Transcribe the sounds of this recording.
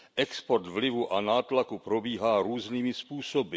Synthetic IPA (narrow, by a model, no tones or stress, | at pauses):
ʔɛkspoɾt̪vlɪvuʔanaːt̪lakupɾobiːɦaːɾuːzniːmɪspuːsobɪ